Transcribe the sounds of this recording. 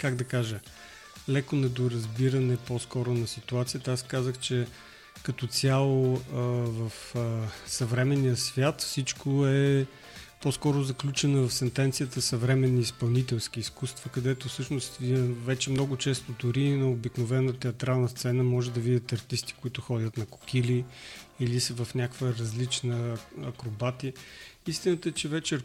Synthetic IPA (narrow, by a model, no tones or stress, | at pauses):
kaɡd̪ɐkaʒə | lɛkonɛd̪oɾɐzbiɾɐnɛpɔskɔɾʊnɐsit̪uat̪sijət̪ɐaskazəxt͡ʃɛ | kɐt̪ɔt̪sʲjalˠo | vɐf | sɐvɾɛmɛnijəsvʲjat̪fsit͡ʃkoɛ | poskɔɾʊzɐklʲut͡ʃɛnəvɐfsɛnt̪ɛnt̪sijət̪əsɐvɾɛmɛnːiːspɐlˠnit̪ɛlˠsk̟iːskust̪vəkɐd̪ɛt̪ofsɤʃnost̪vɛt͡ʃɛmnɔɡʊt͡ʃɛst̪od̪ʊɾinɐobiknovɛnət̪ɛɐt̪ɾalˠnəst̪sɛnəmɔʒɛd̪ɐvid̪ʲɐt̪ɐɾt̪ist̪i̥koit̪ʊxɔdʲət̪nɐkʊ̥kiliilisəvɐfnʲakvəɾɐzlit͡ʃnəɐkɾobat̪iəist̪inət̪əɛt͡ʃɛvɛt͡ʃɛ